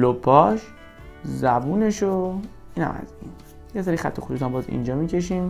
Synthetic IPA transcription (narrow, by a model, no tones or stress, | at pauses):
lopʰːɒʃ | zæbuːne̞ʃo | iːnhæ̰mæ̰zin | jeseɾixæ̰t̪ʰːoxud̪ut̪ʰæmbɒːzḭnd͡ʒɒːmiːcʰe̞ʃ̬iːm